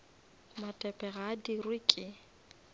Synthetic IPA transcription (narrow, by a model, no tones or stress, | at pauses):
matʼɛpʼɛɣadirwɪkʼɪ